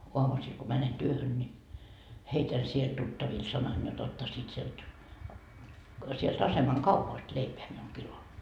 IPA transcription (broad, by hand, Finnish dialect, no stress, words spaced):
oɑmusiːl ko mænen tyøhøn nʲi heitæn siel tutːɑʋil sɑnɑn jot otːɑsiːt sielt sielt ɑsemɑŋ kɑupɑst leipeæ miul kilo